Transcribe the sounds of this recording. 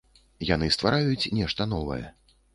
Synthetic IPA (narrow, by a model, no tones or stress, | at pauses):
janɨst̪vaɾajut͡sʲnʲɛʂt̪ɐnɔvɐ̰jɛ̰